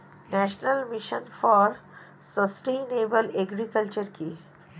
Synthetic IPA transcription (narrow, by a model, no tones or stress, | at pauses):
nɛʃnəlmiʃənfɔːɾ | səsʈẽneːbəleɡɾikəlt͡ʃəɾki